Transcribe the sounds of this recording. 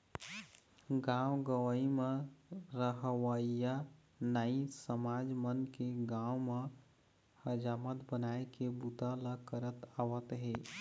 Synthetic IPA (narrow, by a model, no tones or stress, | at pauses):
ɡãːwɡəwəimẽɾəɦəwaija | naĩsəmaːd͡ʒmənkeɡãːwme | həd͡ʒaːmət̪bənaːekebut̪alakəɾət̪aʋət̪ɦeː